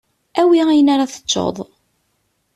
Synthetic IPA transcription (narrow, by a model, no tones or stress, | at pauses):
æwiæjənaɾaθə̥t͡ʃːo̰ðˤ